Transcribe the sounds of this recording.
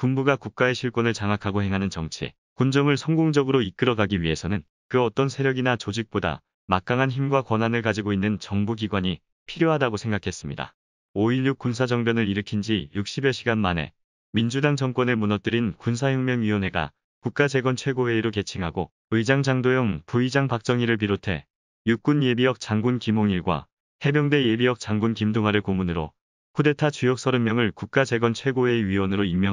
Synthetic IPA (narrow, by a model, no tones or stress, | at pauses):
kunbuɡakuk̚k͈ae̞ɕʰiɭk͈ʌnɯɭt͡ɕaŋɦakʰaɡohe̞ŋɦanɯnt͡ɕʌŋt͡ɕʰḭ | kund͡ʑʌŋɯɭsʰʌŋɡoŋd͡ʑʌɡɯɾoik͈ɯɾʌɡaɡiɥiɦe̞sʰʌnɯn | kɯʌt͈ʌnsʰe̞ɾjʌɡinat͡ɕod͡ʑik̚p͈oda̰ | mak̚k͈aŋɦançimɡwakwʌnɦanɯɭkad͡ʑiɡoinːɯnt͡ɕʌŋbuɡiɡwaɲi | pʰiɾjoɦadaɡosʰe̞ŋɡakʰe̞s͈ɯmɲida̰ | oiʎjuk̚k͈unsʰad͡ʑʌŋbjʌnɯɾiɾɯkʰind͡ʑijuk̚ɕ͈ibjʌɕʰiɡanmanḛ | mind͡ʑudaŋd͡ʑʌŋk͈wʌne̞munʌt̚t͈ɯɾinkuns̬ʰajʌŋmjʌŋɥiwʌnɦe̞ɡa̰ | kuk̚k͈ad͡ʑe̞ɡwʌnt͡ɕʰwe̞ɡowe̞iɾoke̞t͡ɕʰiŋɦaɡo | ɯid͡ʑaŋd͡ʑaŋdojʌŋpuid͡ʑaŋpak̚t͡ɕ͈ʌŋiɾɯɭp̬iɾotʰe̞̰ | juk͈unje̞bijʌk̚t͡ɕ͈aŋɡunkimoŋiɭɡwa̰ | he̞bjʌŋdwe̞je̞bijʌk̚t͡ɕ͈aŋɡunkimdoŋɦaɾɯɭkomunɯɾo̰ | kʰude̞tʰat͡ɕujʌk̚s͈ʌɾɯmjʌŋɯɭkuk̚k͈ad͡ʑe̞ɡwʌnt͡ɕʰwe̞ɡowe̞iɥiwʌnɯɾoimːjʌ